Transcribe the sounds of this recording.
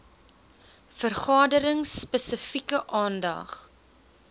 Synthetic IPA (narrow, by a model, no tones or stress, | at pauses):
fərχɑːdəɾəŋsːpəsəfikəʔɑːndɐ̰χ